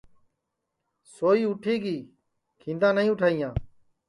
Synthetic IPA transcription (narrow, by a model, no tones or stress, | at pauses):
soːiːʊʈʰiːɡiː | kʰĩːnd̪ãːnəĩːʊʈʰaːijãː